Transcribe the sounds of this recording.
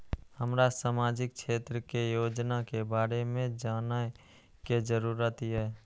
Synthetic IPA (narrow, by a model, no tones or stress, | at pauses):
həmɾasaːmaːd͡ʒɪk̚t͡ʃʰeːt̪ɾəkejoːd͡ʒnakebaːɾemẽd͡ʒaːna | ked͡ʒəɾuːɾət̪ɛː